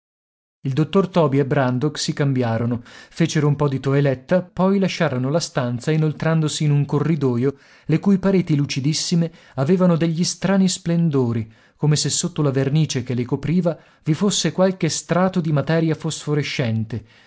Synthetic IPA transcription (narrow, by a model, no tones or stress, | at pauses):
ild̪ot̪ːort̪ɔːbiebːɾand̪oksikambjaːɾonofeːt͡ʃeɾoumpɔd̪it̪oelɛt̪ːapɔjlaʃːaːɾonolast̪ant̪sainolt̪ɾand̪osiːnuŋkorːid̪ɔːjo | lekujpaɾeːt̪ilut͡ʃid̪isːime | aveːvanod̪eʎːist̪ɾaːnisplend̪oːɾi | komesesːot̪ːolaverniːt͡ʃek̟elekopɾiːva | vifosːekwalkest̪ɾaːt̪od̪imat̪ɛːɾjafosfoɾeʃːɛnt̪e